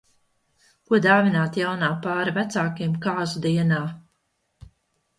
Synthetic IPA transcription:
kuɔd̪aːvinaːt̪jawnaːpaːɾavæt̪saːkimkaːzud̪iɛnaː

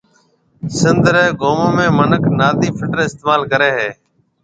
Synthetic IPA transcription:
sɪnd̪ʱɾeːɡoːmõːmẽːmənəknaːd̪iːpʰɪʈɾɪst̪eːmaːlkəɾeːɦeː

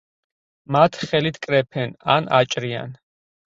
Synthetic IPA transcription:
mat̪ʰχɛlit̪ʰkʼɾɛpʰɛna̰nat͡ʃʼɾia̰n

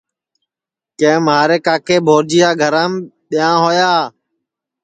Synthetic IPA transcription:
kẽːmɦaːɾeːkaːkʰeːbʱoːɾd͡ʒijaːɡʱəɾaːmɓɪjãːɦoːjaː

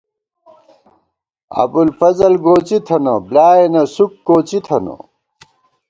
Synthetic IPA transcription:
ɐ̰bulfɐzɐlɡoːt͡sit̪ʰɐnɐblaːenɐsukːoːt͡ɕit̪ʰɐno̰

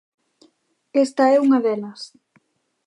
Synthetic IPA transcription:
est̪ɐɛuŋɐðɛlɐs

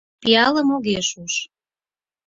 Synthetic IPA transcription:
piɑləmoɣeʃuʃ

